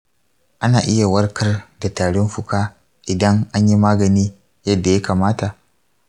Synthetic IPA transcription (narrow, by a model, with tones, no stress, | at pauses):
ʔa˦naː˨ʔɪ˦ja˨wɐ˦rkɐ˦rda˨taː˨ɽɪ˦mɸʊ˦kaː˦ | ʔɪ˨dɐ˦ŋʔa˦ɲji˦maː˦ɡɐ˨niː˦ | jɐ˦dːa˨ja˦kaː˨maː˦ta˨ʔ